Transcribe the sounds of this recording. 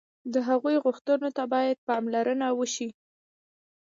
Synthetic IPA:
d̪əɦaɣujɣʊxt̪ənot̪abɑjad̪̚pɑmlaɾənawəʃi

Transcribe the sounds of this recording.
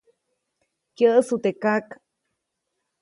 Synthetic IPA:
kjəʔsut̪ekak

